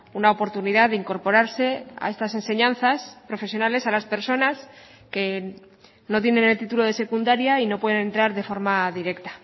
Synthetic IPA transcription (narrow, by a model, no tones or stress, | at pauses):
unao̞po̞ɾt̪uniðaðeiŋko̞ɾpo̞ɾaɾse̞a̰e̞st̪ase̞nse̞ɲãnθaspɾo̞fesjonale̞salaspe̞ɾso̞nas | ke̞ | no̞t̪̬je̞ne̞ne̞lt̪it̪ulo̞ðe̞se̞kund̪aɾjaino̞pweðene̞nt̪ɾaɾðe̞fo̞ɾmaðiɾe̞kt̪ḁ